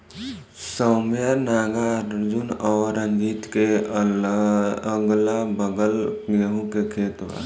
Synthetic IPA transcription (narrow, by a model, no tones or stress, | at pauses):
səmjanaːɡaɾd͡ʒunɔːɾə̃ŋɡiːt̪ke | əɡlabəɡəlɡəɦũkekʰeːt̪wa̰